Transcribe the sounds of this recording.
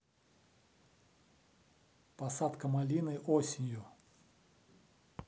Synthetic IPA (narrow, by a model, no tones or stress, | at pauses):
pɐsat̪kəmalʲinɨʔosʲɪnʲju